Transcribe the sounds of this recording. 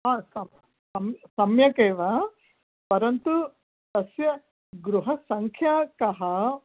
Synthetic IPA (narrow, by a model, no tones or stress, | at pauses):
ɦaːsɐm | sɐmsɐmjɐkeːʋɐ | pɐɾɐnt̪u | t̪ɐsjɐ | ɡɾuɦɐsɐŋkʰjaːkɐɦɐ